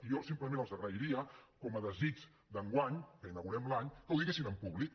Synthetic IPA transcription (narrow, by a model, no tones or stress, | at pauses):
ijɔsimpləmẽnəlˠzəɣɾəiɾiəkɔməðəzid͡ʒ | d̪əŋɡwaɲkəinəɣuɾɛmlaɲkəwðiɣesinəmpuβlik